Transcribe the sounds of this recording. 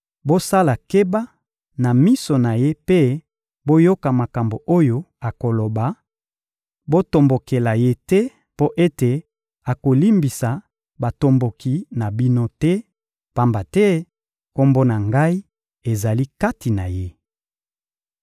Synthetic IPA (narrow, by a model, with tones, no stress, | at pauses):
bo˦sa˦la˨ke˦ba˦ | na˨mi˦so˨na˨je˦pe˦ | bo˦jo˦ka˨ma˨ka˨mbo˨ʔo˦jo˦ | a˨ko˨lo˨ba˨ | bo˦to˨mbo˨ke˨la˨je˦tɛ˦ | po˦ʔe˦te˨ | a˨ko˨li˦mbi˨sa˨ | ba˨to˨mbo˨ki˨na˨bi˦no˦tɛ˦ | pa˦mba˨tɛ˦ | ko˦mbo˦na˨ŋɡa˦i˦ | e˨za˨li˦ka˦ti˨na˨je˦